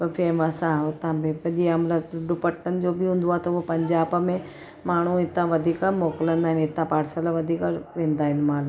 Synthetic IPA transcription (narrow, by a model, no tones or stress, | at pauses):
pɐfʰeːmɐsãʊt̪ãbẽʋɐʄiɐmləɖʊpɐʈːənɪ̆d͡ʑoːbɪɦũːnd̪oaːet̪ɐuopɐ̃ɲd͡ʑaːbmẽ | maːɳ̤uɪt̪ãʋɐd̪ʱiːkamoːkɪlə̃nd̪aːɦɪnɪt̪ãpaːɾsəlaʋɐd̪ʱiːkaʋẽːnd̪aːɦɪnɪmaːl